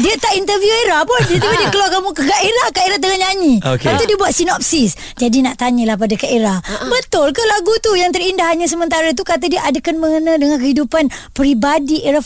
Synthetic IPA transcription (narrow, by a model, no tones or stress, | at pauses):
diat̪aʔint̪ərvjueɾahpʊnat̪ipadiəkəlakamũkəkaʔeɾahkaeɾat̪əŋaɲaɲiokat̪udiəbuat̪̚sinɔp̚sis | d͡ʒadinaʔt̪aɲə̃lahp̬adakaeɾahbət̪ʊlkəlaɡut̪ujaŋt̪̬əɾindahaɲas̬əmənt̪aɾat̪̬ukat̪̬adiəʔadakanməŋənãdəŋankəɦidupanpəɾibadiʔeɾa